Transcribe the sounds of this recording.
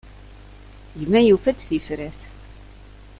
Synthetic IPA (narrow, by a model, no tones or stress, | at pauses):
jəmæjufæt͡sθifɾæθ